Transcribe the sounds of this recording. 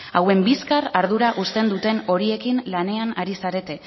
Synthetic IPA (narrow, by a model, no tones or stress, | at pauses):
awe̞mbiskaraɾð̞uɾaʔust̪e̞nd̪ut̪e̞no̞ɾie̞kinlane̞anaɾisaɾe̞t̪e̞